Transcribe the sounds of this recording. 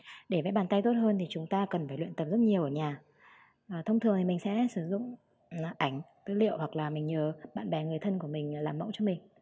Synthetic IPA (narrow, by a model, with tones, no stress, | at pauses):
ɗe˧˩vɛ̰˧˥ɓaː˨˩nt̪a˧jt̪o˦˥t̚həː˧nt̪ʰi˨˩t͡ɕʊ˨˦ŋ͡mt̪aː˧kə˨˩nfaː˧˩jlwḭ˧˨nt̪ə˨˩p̚zə˦˥t̚ɲi˨˩əwʔəː˧˩ɲaː˨˩ | ʔəː˨˩t̪ʰə˧wŋ͡mt̪ʰɨ˨˩əŋt̪ʰi˨˩mï˨˩ŋ̟sɛ̰˧˥sɨ˧˩zʊ̰˧˨ŋ͡m | ʔa˧˩jŋ̟t̪ɨː˨˦lḭ˧˨əwhwa˨˩k̚laː˨˩mï˨˩ŋ̟ɲəː˨˩ɓa̰ː˧˨nɓɛ˨˩ŋɨ˨˩əjt̪ʰə˧nku˧˩əmï˨˩ŋ̟˨˩laː˨˩mːə̰˧˥wt͡ɕɔ˧mï˨˩ŋ̟